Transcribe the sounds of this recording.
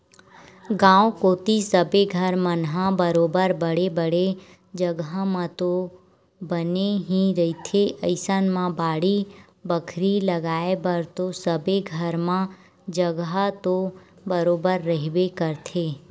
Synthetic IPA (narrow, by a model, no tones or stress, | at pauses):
ɡãːõkoːt̪isəbeɡʱəɾmə̃nɦãbəɾoːbəɾbəɽebəɽe | d͡ʒəɡɦamãt̪o | bəneɦiɾɐɦit̪ʰeʔəɪsənmãbaːɽi | bəkʰɾiləɡaːebəɾt̪osəbeɡʱəɾmã | d͡ʒəɡɦat̪o | bəɾoːbəɾːəɦɪbekəɾt̪ʰeː